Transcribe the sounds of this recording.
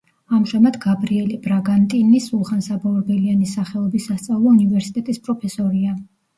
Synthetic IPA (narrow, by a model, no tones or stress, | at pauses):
amʒamad̪ɡabɾiɛlibɾaɡant̪ʼinisulˠχansabɔɾbɛlianisaχɛɔbisːast̪sʼavlˠɔunivɛɾsi̥t̪ʼɛt̪ʼispʼɾɔpʰɛsɔɾia